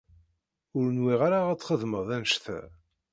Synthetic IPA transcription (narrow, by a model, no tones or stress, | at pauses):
ʊɾnwiʁaɾaæt͡sːχəðməðˤænʃθæ̰